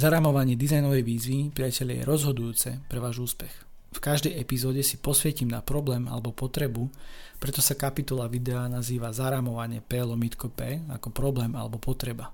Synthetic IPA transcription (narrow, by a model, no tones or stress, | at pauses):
zaɾaːmɔʋaɲɪɛd̪izajnɔʋɛjʋiːzʋipɾiacɛʎɪa̰jɛ̰ɾɔzɦɔd̪ujuːt͡sɛpɾɛʋaːʒuːspɛx | fkaʒd̪ɛjɛpizɔːɟɛsipɔsʋɛcimna̰pɾɔblɛːma̰lɛbɔpɔt̪ɾɛbupɾɛt̪ɔsakapit̪ɔlaʋid̪ɛanaziːʋazaɾaːmɔʋaɲɪɛpɛːlɔmit̪kɔpɛːa̰kɔpɾɔblɛːma̰lɛ̰bɔpɔt̪ɾɛba